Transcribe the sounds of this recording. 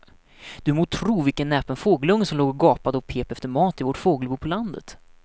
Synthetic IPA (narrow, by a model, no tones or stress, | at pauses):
d̪̥ɵmot̪ʰɾuːvɪkənːɛːpənfoːɡəlɵŋːəsɔmloːɡəɾɡɑːpad̪ɔpʰeːpɛft̪əɾmɑːt̪ɪvɔʈfoːɡəlbuːpʰɔland̪ə̰t̪